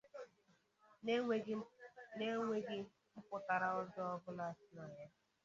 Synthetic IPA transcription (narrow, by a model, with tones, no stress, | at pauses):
ne˦ŋʷe˦ɡɪ˦ | m̩˦pʊ˨ta˨ɾa˨ɔ˦d͡ʒɔ˦ɔ˦bʊ˦la˦˨sɪ˦na˨ɲa˦